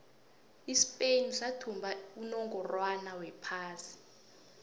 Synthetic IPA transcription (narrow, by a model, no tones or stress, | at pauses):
ispʼenisatʰumbʱaunɔŋɡɔrwanawɛpʰaːsi̥